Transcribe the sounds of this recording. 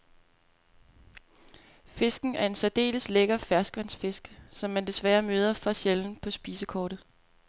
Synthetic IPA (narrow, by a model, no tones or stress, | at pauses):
fe̝sɡ̥n̩æɐe̝nsɒd̥e̝̰ːləsleɡ̥ɐfæɐsɡ̥ʋænsfe̝sɡ̥sɒ̽mːænd̥e̝sʋæːɐmøːð̞ˠɐfɒɕjeln̩pʰɒ̽sb̥iːsəkʰɒːɾ̥ð̩ˠ